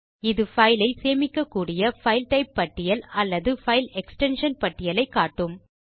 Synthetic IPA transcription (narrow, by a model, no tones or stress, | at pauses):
ɪðɯfɐɪlɐɪseːmɪkːɐkːuːɽɪjɐfɐɪlʈɐɪpːɐʈːɪjɐlɐlːɐðɯfɐɪlɛksʈɛnʂɐnpɐʈːɪjɐlɐɪkːaːʈːɯm